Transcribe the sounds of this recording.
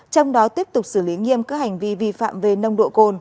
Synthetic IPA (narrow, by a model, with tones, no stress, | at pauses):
t͡ɕɔ˧wŋ͡mɗɔ˨˦t̪i˦˥əp̚t̪ʊ˨˩k͡p̚sɨ˧˩li˨˦ŋi˧əmkaː˨˦˥ha˨˩jŋ̟vi˧vi˧fa̰ː˧˨mve˨˩nə˧wŋ͡mɗo̰˧˨ko˧n